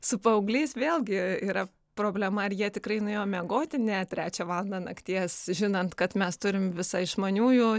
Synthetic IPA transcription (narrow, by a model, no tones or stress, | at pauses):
sʊpɐʊɡlʲɛɪsʋʲeːlʲˠɡʲɪiːɾɐ | pɾoːbʲlʲɛmɐɐrjiɛt̪ʲɪkrɐɪnʊeːjoːmʲɛɡoːt̪ʲɪnʲɛt̪ʲɾʲæːt͡ʃʲæʋɑːlˠɐnd̪ɐnɐkt̪ʲiɛsʒʲɪnɐnt̪kɐt̪mʲɛst̪ʊɾʲɪmʋʲɪsɑɪɪʃmɐnʲuːjuː